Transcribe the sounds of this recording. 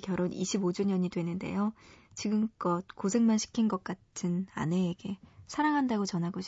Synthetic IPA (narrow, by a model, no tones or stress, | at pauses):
kjʌɾonḭɕʰibod͡ʑuɲʌɲidwe̞nɯnde̞̰jot͡ɕiɡɯmk͈ʌt̚kosʰe̞ŋmanɕʰi̥kʰinɡʌk̚k͈atʰɯna̰ne̞ːɡe̞sʰaɾaŋɦandaɡot͡ɕʌnɦaɡoɕʰ